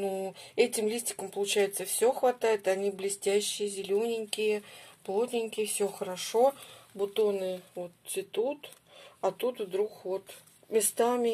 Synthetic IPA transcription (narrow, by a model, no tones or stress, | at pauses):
nuɛtʲɪmlʲisʲtʲɪ̥kəmpəlˠʊt͡ɕæjɪt̪səfsʲoxvɐt̪ajɪt̪ɐnʲiblʲɪsʲtʲæɕːɪjəzʲɪlʲonʲɪŋʲkʲɪjəplˠo̞t̪ʲnʲɪŋʲkʲɪjəfsʲɵxəɾɐʂo̞bʊt̪o̞nɨvo̞t̪ːʲɪt̪ut̪ɐt̪ut̪vd̪ɾuxvo̞t̪ | mʲɪst̪amʲɪ